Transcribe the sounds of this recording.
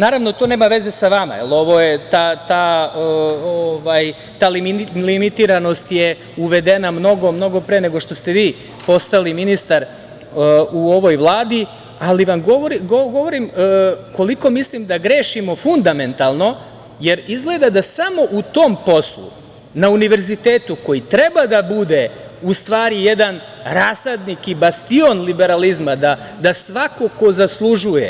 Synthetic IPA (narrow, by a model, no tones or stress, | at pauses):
naːɾaʋnot̪one̞ːmaʋe̞ze̞saʋama̰ḛlˠo̞ʋo̞je̞t̪at̪aː | oʋaj | t̪aːlilimit̪iːɾano̞st̪je | uʋe̞d̪e̞namno̞ɡo̞mno̞ɡo̞pɾeːne̞ɡo̞ʃt̪o̞st̪e̞ʋiː | po̞st̪aliminist̪aɾ | uo̞ʋo̞jʋlˠaːd̪i | aliʋamɡoʋoɾiɡoɡo̞ʋo̞ɾimːko̞liko̞mislimd̪aɡɾeːʃimo̞fund̪ame̞nt̪alˠno̞ | je̞ɾizɡle̞d̪ad̪asamo̞ʔut̪o̞mpo̞slˠṵ | nauniʋe̞ɾzit̪eːt̪uko̞jit̪ɾe̞bad̪abud̪e̞ | ust̪ʋaːɾijed̪an | ɾasad̪nikibast̪io̞nlibe̞ɾalizmad̪a | d̪asʋako̞ko̞zaslˠuʒujḛ